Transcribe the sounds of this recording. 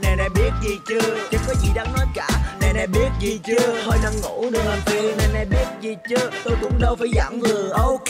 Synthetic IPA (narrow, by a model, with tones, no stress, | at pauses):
na˨˩jna̰˨˩jɓi˦˥ət̚zi˨˩t͡ɕɨ˧ət͡ɕɨ˨˦kɔː˨˦jzi˨˩ɗaː˨˥ŋnɔ˨˦jkaː˧˩˨na˨˩jna˧˩jɓi˦˥ət̚zi˨˩t͡ɕɨ˧əho˧jna˧ŋŋu˧˩˥ɗɨ˨˩k̚laː˨˩mt̪i˧əna˨˩jna˧˩jɓi˦˥ət̚zi˨˩t͡ɕɨ˧˦ət̪o˧jɗʊ˨˧˦ŋ͡mɗə˧wfaː˧˩jza̰ː˧˩mvɨ˨˩əʔə˧˦w